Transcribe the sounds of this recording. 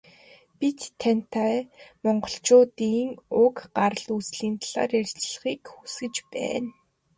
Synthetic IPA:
pit̪ʰːan̥t̪ʰamɔɴɢɞ̆ɬt͡ɕʊːt̪iːŋʊkɢarə̆ɮusɮiːnt̪ɮa̰ːrjær̥ʲt͡ɕɮə̆χiːkxusɡɘ̆t͡ɕpæ̰ːn

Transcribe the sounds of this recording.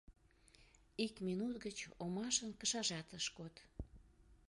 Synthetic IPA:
ikminut̪ɡət͡ɕomɑʃənkəʃɑʒɑt̪əʃkot̪

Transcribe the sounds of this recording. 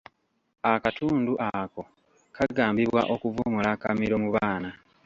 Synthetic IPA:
akatʰuːnduʔako̞ | kʰaɡaːmbiβwa̰ʔo̞kuvumulakamiɾo̞muβaːna

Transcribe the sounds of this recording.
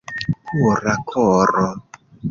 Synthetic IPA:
pʰuɾakʰɔrɔ

